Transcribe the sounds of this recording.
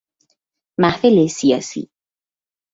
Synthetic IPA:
mahθelesia̰sḭ

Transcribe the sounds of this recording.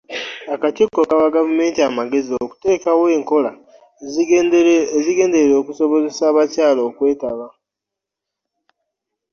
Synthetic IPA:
akatikːokaβaɡavume̞ːntiamaɡe̞zio̞ku̥te̞ːkawe̞ːŋko̞la | ziɡe̞ːnde̞ɾeɾo̞ːkuso̞βo̞ze̞saːβacaːlo̞ːkwe̞ːtaβa

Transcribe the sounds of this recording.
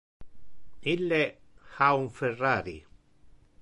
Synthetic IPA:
ilːexauɱferːaːɾḭ

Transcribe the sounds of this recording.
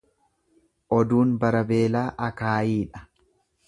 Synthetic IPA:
ʔɔd̪uːnbɐɾɐbe̞ːlaːʔɐkaːjiːᶑɐ̥

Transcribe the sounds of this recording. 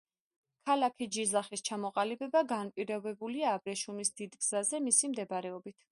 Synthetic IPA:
kʰalakʰid͡ʒizaχist͡ʃʰamɔqʼalibɛbaɡanpʼiɾɔbɛbuliaːbɾɛʃumisd̪id̪ɡz̥azɛmisimd̪ɛbaɾɛɔbit̪ʰ

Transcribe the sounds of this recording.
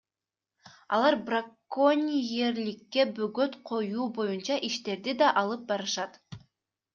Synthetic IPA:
ɑ̰lˠɑɾbrakːonʲijeɾlikːe̞bøɡøt̪qʰo̞juːbo̞junt͡ʃɑʔiʃt̪e̞ɾd̪id̪ɑʔɑlˠɯp̚bɑɾɯʃɑt̪

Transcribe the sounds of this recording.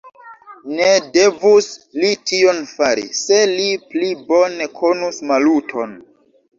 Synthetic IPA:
ne̞de̞vuslitio̞nfaɾḭse̞liplibo̞ne̞kʰo̞nusmalutʰo̞n

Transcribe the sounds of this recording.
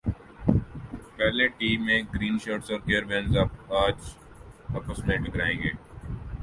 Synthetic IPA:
pɛːleʈiːmːẽɡɾiːnʃɔːʈsɔːɾkeːəɾʋɛ̃nzapaːd͡ʒ | ɐpəsmẽɖɪkɾaːẽːŋɡeː

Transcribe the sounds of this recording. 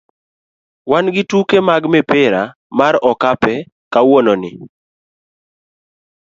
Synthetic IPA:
wanɡɪtukemaɡmɛpɪɾa | maɾɔkapɛ | kawononɪ

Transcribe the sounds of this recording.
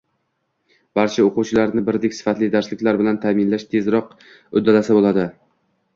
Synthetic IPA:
b̥aɾt͡ʃʰaoquwt͡ʃʰɪlaɾnɪbɪɾd̪ekʲsɪ̥fat̪lɪd̪aɾslɪkʲlaɾbɪlant̪ʰamɪnlaʃt̪ʰe̞zɾɒq | ʊ̰d̪ːalasabolˠad̪ɪ

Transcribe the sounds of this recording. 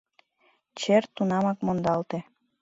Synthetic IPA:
t͡ɕert̪unɑmɑkmond̪ɑlt̪e

